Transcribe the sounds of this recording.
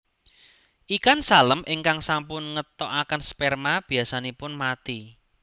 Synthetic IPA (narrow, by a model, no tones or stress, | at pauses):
ʔikansaləmʔɪŋkaŋsampʊnŋət̪ɔʔakənspɛrmab̥i̤asanepʊnmat̪i